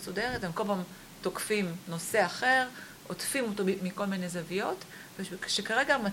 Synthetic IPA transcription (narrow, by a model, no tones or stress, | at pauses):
sodeʁetemkopam | t̪okfimno̞se̞aχe̞ʁ | otfimotomiko̞lmine̞zavijo̞t | veʃʃekaʁe̞ɡama